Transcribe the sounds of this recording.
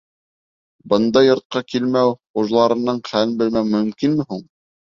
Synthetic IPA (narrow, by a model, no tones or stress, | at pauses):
bɤ̆nd̪ɑjːŏɾt̪̚qɑkilmæwχuʒlˠɑɾɤ̆nɤɴχælɘnbɘ̆lmæwmɵ̆mkinmɘ̆huɴ